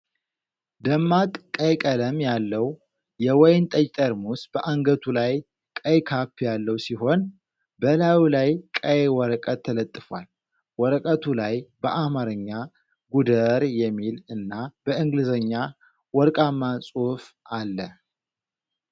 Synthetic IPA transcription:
d̪əmːat̪ʼkʼːəjkʼələmjalːəw | jɛwɔjnt̪ʼəjt̪ʼəɾmusb̥əʔaŋɡət̪ʰulaj | kʼəjkʰapːjalːəwsiɦo̞n | bəlawlajkʼəjwɔɾəkʼət̪ʰːələt̪ʼːɨfwa̰l | wɔɾəkʼət̪ʰulajbəʔamaɾɨɲːa | ɡud̪əɾjɛmːilɨnːab̥əɨŋɡlɨzəɲːa | wɔɾkʼamːasʼuf | ʔalːə

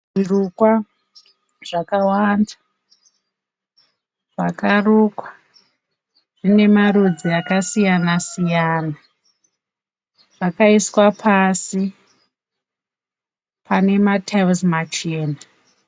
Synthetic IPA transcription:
ʐirukwa | ʐ̥akawanda | ʐakaruːkwa | ʐ̥ine̞maɾud͡ziakasijanasijaːna | ʐakaiswapʰasi | pʰane̞matʰalzmat͡ʃeːna

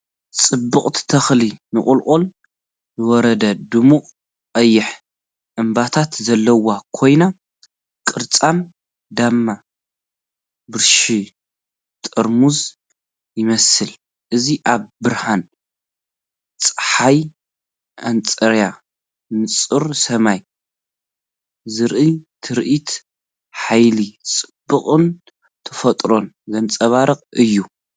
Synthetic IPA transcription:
t͡sʼɨbːɨχʼt̪ʰt̪ʰɐxlinɨχʼʊlqʼol | ɨwɔɾɐd̪ɐd̪ɨmuqʼ | qʼɐjːɪħ | ʔɨmbat̪ʰat̪zɐlːɐwakʰo̞jna | kʼɨɾt͡sʼan | d̪amːa | bɨɾʃi | t̪ʼɨɾmuz | jɪmɐsɨl | ʔɨziʔaβbɨɾhan | t͡sʼɨħaj | ʔant͡sʼɐɾja | mɨt͡sʼɨɾsɐmaj | zɨɾʔɨt̪ʰɨɾʔit̪ | ħajlit͡sʼɨb̥ːɨχʼɨn | t̪ʰɨfɐt̪ʼɾo̞n | zɐnt͡sʼɐβaɾɨqʼɨjːu

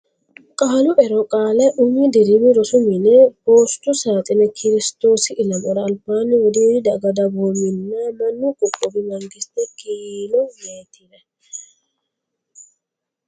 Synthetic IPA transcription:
kʼalʊʔɛɾɔkʼaːlɐʔʊmːɪd̪ɪɾɪmɪɾɔsʊmɪnɛboːst̪ʊsaːt̪ʼɪnɛkʰɪɾɪst̪o̞ːsɪʔɪlɐmɔɾɐːlpːaːnːɪwɔd̪iːdɪd̪ɐɡɐd̪ɐboːmɪnːamɐnːʊkʼʊkʼːɔbɪmɐŋɡɪst̪ɛkiːlɔjeːt̪ʰːɪnɛ

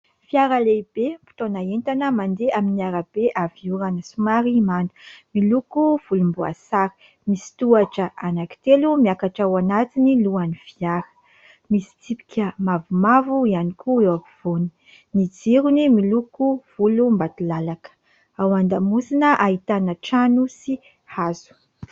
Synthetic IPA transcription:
fiaɾəlebempi̥t̪onaent̪anəmand̪eaminiaɾab̥eʔaviuɾanəsumaɾimand̪u̥milukuv̥ulumbua̰saɾi̥ | misi̥t̪uaʈ͡ʂəʔanaki̥t̪elumiakaʈ͡ʂawanat̪iniluanifiaɾə̥ | misi̥t͡sipi̥kʲəmavumavuianikuewaviv̥oni̥ | nid͡ziɾunimilukuv̥ulumbat̪ulalakə̥ | awand̪amusinəʔaɦit̪anəʈ͡ʂanusi | hazu̥

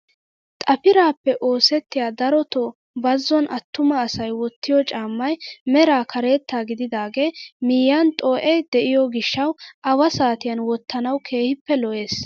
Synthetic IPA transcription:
t̪ʼɐpɪɾaːpːɛʔo̞ːsɛt̪ːɪjaːd̪ɐɾɔt̪ɔ | bɐzːɔnʔɐt̪ːʊmɐːsɐjwɔt̪ːɪjɔt͡ʃʼaːmːɐjmɛɾaːkʰɐɾe̞ːt̪ːaːɡɪd̪ɪd̪aːɡe̞ːmiːjːant̪ʼoːʔɛjd̪ɛʔɪjɔɡɪʃːɐwʔɐwɐsaːt̪ɪjɐnwɔt̪ʰːɐnɐwkʰe̞ːhɪpːɛlɔʔe̞ːs

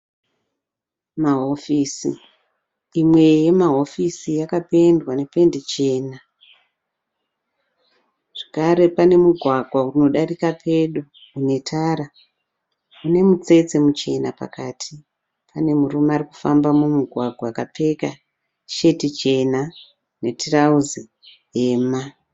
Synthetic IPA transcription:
maɦo̞fiːsḭ | imwe̞je̞maɦo̞fisijakape̞ndwane̞pe̞ndet͡ʃe̞ːna | ʐ̥akaɾe̞pane̞muɡʱwaɡʱwauino̞ɗarikapʰe̞ɗo | une̞tʰaɾa | une̞mut͡se̞t͡se̞mut͡ʃe̞napa̰katʰi | pʰane̞murumariku̥fambamumuɡʱwaɡʱwaːkap͡fe̞ka | ʃe̞tit͡ʃe̞na | ne̞tirauzi | eːma

